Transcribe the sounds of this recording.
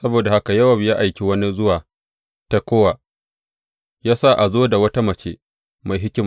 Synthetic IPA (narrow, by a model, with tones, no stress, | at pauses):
sɐ˦boː˨da˨ha˦ka˨jɐ˦wɐ˨mjaː˦ʔa˨jkʲe˨wɐ˦ni˦zʊ˦waː˨ | ta˦kʷoː˦waː˨ | jaː˦sa˦˨ʔa˨zoː˦da˨wɐ˦ta˦mɐ˨t͡ʃeː˦ | ma˨jɦɪ˦kʲɪ˦m